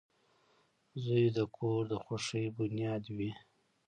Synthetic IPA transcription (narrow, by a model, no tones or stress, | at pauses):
zujd̪əkʰoɾd̪əxoʂəjbʊnijɑd̪wi